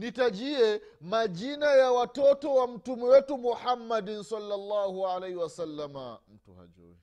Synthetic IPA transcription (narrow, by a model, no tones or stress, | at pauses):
nitad͡ʒiɛ | mad͡ʒinajawatɔtɔwam̩tumɛwetumuħamːadinsɐlːalːaːhuʕalajhiwasalːama̰m̩tṵha̰d͡ʒo̰ːwɛ